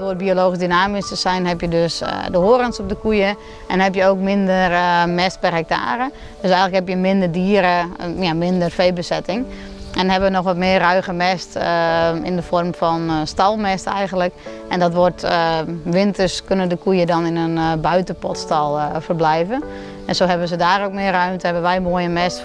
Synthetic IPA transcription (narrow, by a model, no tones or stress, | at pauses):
oːt̚bioloːɣis̬dynaːmisəsɛjnɦɛpjədøsdəhoəɾənsop̚dəkujə | ʔɛnhɛpjəoːkmɪndərmɛst̚pɛrɦɛk̚ta̰ːɾə | d̥øsɛjɣəŋləkhɛpjəmɪndərdiːəɾəjamɪndərfeːbəsɛtɪŋ | ɛndnɦɛbəʋənɔxʋɔtmɪərːœɥɣəmɛst | ɪ̰ndəfɔrmfɔnstɔlˠmɛstɛ̰jɣəntlək | ɛndɔtʋot | ʋɪntərskønəndəkujədɔnɪnənbœɥtəpɔtstɔlˠfərblɛjvə | ɛnsoːɦɛbənsədaːɾowk̚mɪərœɥmtəhɛbənʋɛjmoəjəmɛst